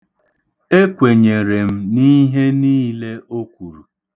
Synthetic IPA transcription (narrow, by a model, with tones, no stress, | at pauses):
e˦kʷe˨ɲe˨ɾe˨m̩˦ni˦ɦe˦niː˦le˦o˦kʷu˨ɾu˨